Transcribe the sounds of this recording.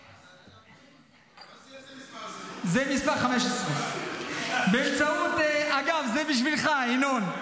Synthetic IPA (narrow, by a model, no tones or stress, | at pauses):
zɛmispaʁχameʃesʁe | beːmt͡saot̪aɡavzebiʃ̬vilχainon